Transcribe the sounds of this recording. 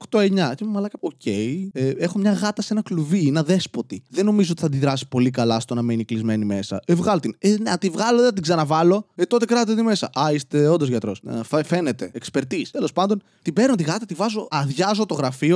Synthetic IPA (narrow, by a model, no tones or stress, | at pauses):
oxt̪o̞e̞ɲɐcemmɐlɐkɐo̞cʰe̞iee̞xo̞mɲɐɣɐt̪ɐse̞nɐkluvienɐðe̞spo̞t̪iðenːo̞mizoot̪i̥θɐd̪iðɾɐsi̥po̞likɐlɐst̪onɐmeniklizme̞nime̞sɐ̰evɣɐlot̪inenɐt̪ivɣɐloeɐt̪̬iɡzɐnɐvɐlo̞et̪o̞t̪e̞kɾɐt̪t̪et̪ime̞sɐ̰ʔɐist̪e̞ond̪ozʝɐt̪ɾo̞sfefe̞net̪e̞ekspeɾt̪ist̪e̞lo̞spɐnd̪o̞n | t̪ibe̞ɾnot̪iɣɐt̪ɐt̪ivɐzo̞ɐðʝɐzo̞t̪o̞ɣɾɐfio